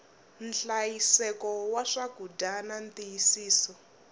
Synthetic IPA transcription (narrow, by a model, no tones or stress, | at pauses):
nɬajisɛkɔwaʂaɡudanantijisiːsɔ